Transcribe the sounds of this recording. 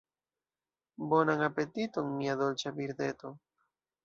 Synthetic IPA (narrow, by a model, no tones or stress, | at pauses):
bonaŋapet̪it̪oŋmiaðolt͡ʃaβiɾðet̪o